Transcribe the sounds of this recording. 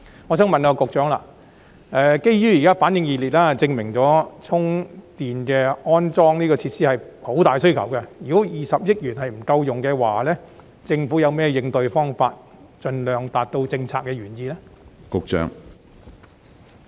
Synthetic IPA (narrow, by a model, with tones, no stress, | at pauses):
ŋɔː˨˧sœː˨˥ŋmɐ˨nkɔː˧kʊ˨k̚t͡ʃœː˨˥ŋla̰ː˧˨ | ʔɛ˨˧ke˥jjyː˥jiː˨kaː˥faː˨˥njɪ˧ŋjiː˨˧liː˨t̚laː˥t͡sɪ˧ŋmɪ˨˩ŋt͡sɔː˨˥t͡sʰʊ˥ŋt̪iː˨nkɛː˧ɔː˥nt͡sɔː˥ŋniː˥kɔː˧t͡sʰiː˧t̚siː˥hɐ˨jho˨˥wt̪aː˨jsɵ˥ɥkʰɐ˨˩wkɛ˧jyː˨˩kɔ˨˥jiː˨˩sɐ˨p̚jɪ˥k̚jyː˨˩nhɐ˨jm̩˨˩kɐ˧wjʊ˨ŋkɛː˧waː˨˩lɛ˥ | t͡sɪ˧ŋfu˨˥jɐ˨˧wmɛː˥jɪ˧ŋt̪ɵ˧ɥfɔː˥ŋfaː˧t̚ | t͡ʃɵ˨˧nlœː˨ŋt̪aː˨t̚t̪o˧wt͡sɪ˧ŋt͡sʰaː˧kːɛː˧jyː˨˩njiː˧lɛ˥kʊ˨k̚t͡ʃœ̰ː˨˥ŋ